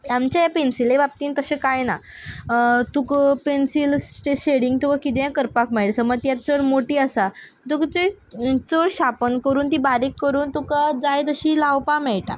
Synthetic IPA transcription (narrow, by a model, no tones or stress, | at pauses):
jamt͡ɕajapensilebap̚t̪iːnt̪əsẽkajna | t̪ukpensilsʈeɕeɽiŋɡ̚t̪ukakit̪jãkəɾpakmɛɭsəməɡ̚t̪jat̪t͡səɽmoʈiːəsa | t̪ukt͡se | t͡səɽɕapənkəɾuːnt̪ibaɾekːəɾuːnt̪ukad͡zajt̪əɕiːlawpamɛɭʈa̰